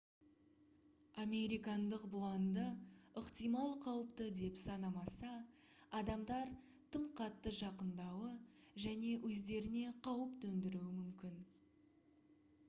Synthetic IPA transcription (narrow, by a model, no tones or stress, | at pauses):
amʲe̞ɾijkɑnd̪əqblˠɑnd̪əəqt̪ijmɑlˠqʰɑwəpt̪əd̪e̞psɑnɑmɑsɑːd̪ɑmd̪ɑɾ | t̪ʰəɴqʰɑt̪ːəʒɑqənd̪ɑwəʒæne̞wʔɵzd̪e̞ɾɪne̞qʰɑwəpt̪ɵnd̪ɪɾuwɪmʏmkʲɪn